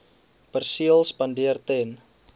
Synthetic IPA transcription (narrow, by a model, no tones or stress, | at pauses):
pərsiəlspandiərt̪ɛn